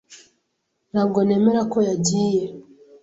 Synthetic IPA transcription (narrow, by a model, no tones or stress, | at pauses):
n̥haːb̚ɡo̞ne̞ːme̞ɾako̞jaɟiːje